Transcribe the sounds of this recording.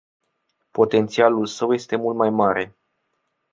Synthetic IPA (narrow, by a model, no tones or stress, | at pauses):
po̞t̪e̞nt̪sialulsəwje̞st̪e̞mult̪majmaɾe̞